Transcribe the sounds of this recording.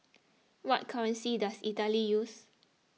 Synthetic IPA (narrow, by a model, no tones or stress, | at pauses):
wɔt̚kʰaɹə̃nsidasitalijus